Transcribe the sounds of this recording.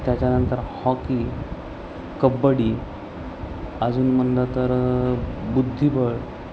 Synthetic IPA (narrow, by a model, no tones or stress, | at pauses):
t̪jat͡ɕanənt̪əɾhɔki | kəbːəɽi | əd͡zuːnmənd̪at̪əɾ | bud̪ʱːibəɽ